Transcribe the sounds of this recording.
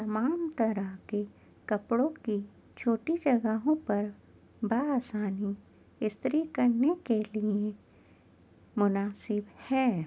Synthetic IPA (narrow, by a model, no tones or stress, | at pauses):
t̪ɐmaːmt̪ɐɾəɦke | kɐpɽõki | t͡ʃʰoːʈid͡ʒɐɡəɦõpɐɾ | baaːsaːni | ɪst̪ɾikɐɾnekelie | mʊnaːsɪbhɛː